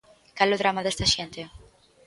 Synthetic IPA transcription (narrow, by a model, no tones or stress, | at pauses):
kaloðɾamaðɛst̪aʃɛnt̪e